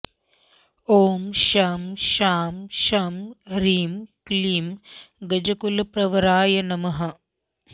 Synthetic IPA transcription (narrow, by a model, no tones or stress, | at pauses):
oːmʃaːmʃaːmʃaːmɾiːmkliːmɡɐd͡ʒɐkulɐpɾɐʋɐɾaːjɐnɐmɐɦɐ